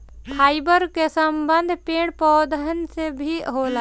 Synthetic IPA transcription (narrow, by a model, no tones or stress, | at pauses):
pʰaːɪbəɾkesəmbənd̪ʱpeːɽpɔːd̪ənsebʱiɦola